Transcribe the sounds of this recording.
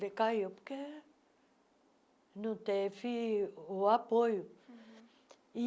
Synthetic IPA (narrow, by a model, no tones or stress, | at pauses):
ekajopke | nut̪efioapoju | i